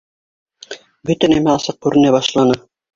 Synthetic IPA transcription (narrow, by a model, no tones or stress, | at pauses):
bɵt̪ænæmæɑsɤq̚kʉɾʔɘ̆næbɑʃlˠɑnɤ